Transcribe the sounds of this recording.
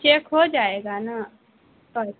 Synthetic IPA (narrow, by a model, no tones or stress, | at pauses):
t͡ʃekɦod͡ʒaːeːɡana | t̪ɔ